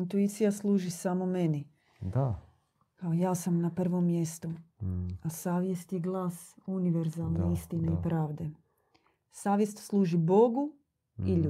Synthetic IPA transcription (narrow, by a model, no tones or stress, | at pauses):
int̪uit̪sijaslˠuːʒisamome̞ni | d̪a | kaojaːsamnapr̩ʋo̞mːje̞st̪u | asaːʋje̞st̪jeɡlˠaːsuniʋeɾzalˠneist̪ineipɾaːʋd̪e̞ | saːʋjest̪slˠuːʒibo̞ɡu | iʎu